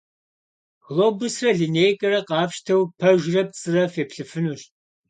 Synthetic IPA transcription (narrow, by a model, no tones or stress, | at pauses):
ɣloːbʊsrɐɮineːjkʼɐrɐqɑːpʃtʰɐwpʰɐʒrɐp̚t͡sʼɨrɐfeːpɬɨfɨnuɕ